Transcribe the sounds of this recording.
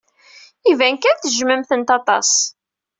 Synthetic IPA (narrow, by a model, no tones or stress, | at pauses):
ivænkænθʒməmθənt̪ɑt̪ˤɑ̰s